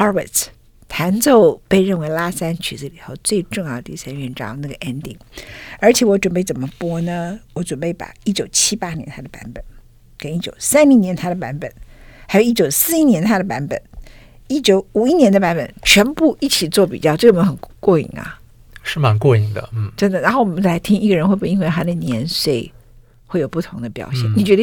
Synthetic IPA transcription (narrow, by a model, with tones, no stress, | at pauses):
ɑ˥wə̰˨˩tʰ | t̪ʰa˧˥nt͡so˥˧ʊpe˥˧ɪɻə˥˩nwe˧˥ɪla˥sa˥nt͡ɕʰy˧˥z̩˧˩li˨˩xo˥˧ʊt͡swe˥˧ɪʈ͡ʂʊ˥˧ŋjɑ˥˩d̪ə˩i˥˩sa˥nɥɛ˥˧˩nʈ͡ʂɑ˥˩na˥˩ɡə˩ʔɛ˥nt̪i˥˩ŋə˞˧˥t͡ɕʰjɛ˨˩wɔ˧˥ʈ͡ʂwə˨˩npe˥˩ɪt͡sə˨˩nmə˦pwɔ˥nə˧wɔ˧˥ʈ͡ʂwə˨˩npe˥˩ɪpa̰˨˩˦i˥˩t͡ɕjo˨˩ʊt͡ɕʰi˥pa˥njɛ̰˧˥nt̪ʰa˥d̪ə˨pa̰˧˥npə˨˩˦n | kə˨˩ni˥˩t͡ɕjo̰˨˩ʊsa˥nli˧˥ŋnjɛ˧˥nt̪ʰa˥d̪ə˨pa̰˧˥npə̰˨˩˦nxa˧˥jo˨˩ʊ˧i˥˩t͡ɕjo˨˩ʊsɹ̩˥˧i˥njɛ˧˥nt̪ʰa˥d̪ə˨pa˧˥npə̰˨˦n | i˥˩t͡ɕjo˧˥ʊu˨˩i˥njɛ˧˥nd̪ə˧pa˧˥npə̰˨˩nt͡ɕʰɥɛ˧˥npu˥˧ʔi˥˩t͡ɕʰi˨˩t͡swɔ˥˩pi˨˩t͡ɕjɑ˥˧ʊʈ͡ʂɤ˥˩˨mə˥xə˨˩nkwɔ˥˩ḭ˧˩˥ŋɐ̰˨ | ʂɻ̩˥˩ma˧˥nkwɔ˥˩i˧˩ŋd̪ə̰˨˩˥ʈ͡ʂə˥nd̪ə˨ɻa˧˥nxo˥˩ʊwɔ˨˩mə˦nʰ˥˩a˧˥ɪt̪ʰi˥ŋi˥˩ɡə˨ɻə˧˥nxwe˥˧ɪpu˥˩i˥ŋwe˥˩t̪ʰa˥d̪ə˨njɛ˧˥nswe˥˩ɪ | xwe˥˩jo˨˩ʊpu˥˩t̪ʰʊ˧˥ŋd̪ə˧pjɑ̰˨˩ʊɕjɛ˥˩nni˨˩t͡ɕɥɛ˧˥ɾə˧